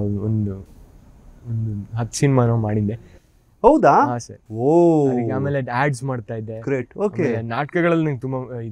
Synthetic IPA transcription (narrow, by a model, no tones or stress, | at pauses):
ond̪u | ond̪uɦɐt̪ːsinimanomaːɽid̪ːe | hɐwd̪aːɦaːsɐɾioɐɾiɡeaːme̞ːleaːɖsmaːɖt̪aːjid̪ːekɾeːʈoːkːaeelenaːʈkɐɡɐɭɐlːunɐnɡet̪umbaid̪